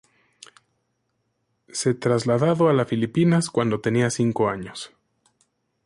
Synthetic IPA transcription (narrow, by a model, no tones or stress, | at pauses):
se̞t̪ɾazlaðaðo̞alafilipinaskwand̪o̞t̪e̞niasiŋko̞aɲo̞s